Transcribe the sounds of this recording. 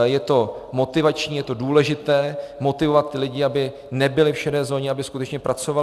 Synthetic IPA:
jɛt̪o̞mo̞t̪ɪvat͡ʃɲiːjɛt̪o̞duːlɛʒɪt̪ɛːmo̞t̪ɪvo̞vat̪̚ːɪlɪɟɪabɪ | nɛbɪlɪfʃɛdɛːzo̞ːɲɛabɪskut̪ɛt͡ʃɲɛpɾʔat͡so̞va

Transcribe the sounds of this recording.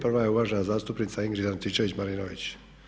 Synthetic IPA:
prʋajeuʋaːʒenazaːst̪upnit̪saiŋɡɾizant̪it͡ʃeʋit͡ɕmaɾinoʋḭt͡ɕ

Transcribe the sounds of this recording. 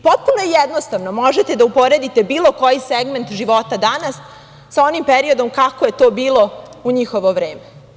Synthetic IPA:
po̞t̪̚punojejed̪nost̪aʋnomo̞ʒe̞t̪e̞d̪aupo̞ɾe̞d̪it̪e̞biːlˠo̞ko̞jiseɡme̞nt̪ʒiʋo̞t̪ad̪anasː | ao̞nimpeɾio̞d̪o̞mkako̞je̞t̪oːbiːlˠo̞uɲixo̞ʋo̞ʋɾe̞ːme

